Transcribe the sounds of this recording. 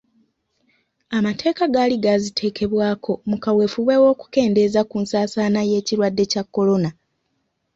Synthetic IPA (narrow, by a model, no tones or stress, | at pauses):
amatʰe̞ːkaɡaːliɡazitʰe̞ːke̞βwaːkʰo̞mukawe̞fuβe̞wo̞ːku̥ke̞ːnde̞zakunsaːsaːnaje̞ːciɾwadːe̞cakːo̞lo̞na